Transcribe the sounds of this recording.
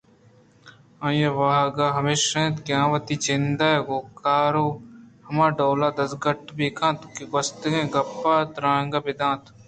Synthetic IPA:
ãːjɐʋaːɦɡaːɦɐmeːʃẽːt̪ɡjãːʋɐt̪iːt͡ʃɪnd̪aːeɡoːkaːɾoːhɐmãːɖoːlaːd̪ɐsɡɐʈbeːkʰãːt̪ukiɡɐst̪ɡẽːɡɐpːaːt̪ɾãːŋɡaːbɪd̪ãːt̪

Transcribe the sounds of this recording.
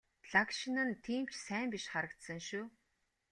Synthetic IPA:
ɮakʃinə̆nt̪ʰiːm̥t͡ɕsæːmpiʃχaɾə̆kt̪sə̆ŋʃuː

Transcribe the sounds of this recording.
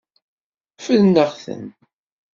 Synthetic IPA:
fəðnːəʁθə̰n

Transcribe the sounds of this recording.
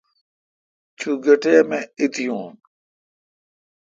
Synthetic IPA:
t͡ɕʰuːɡəʈeːmẽːɪt̪ijõːn

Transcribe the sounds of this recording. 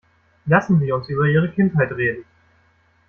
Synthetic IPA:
lasn̩ziːʊnsʔyːbɐiːʁ̞əkʰɪnthaɪtʁeːdn̩

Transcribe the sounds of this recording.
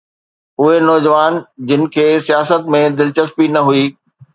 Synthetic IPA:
ʊɦenɔːd͡ʑʋaːnd͡ʑɪnɪ̆kʰeːsijaːsət̪mẽd̪ɪlt͡ɕəspinɐɦuiː

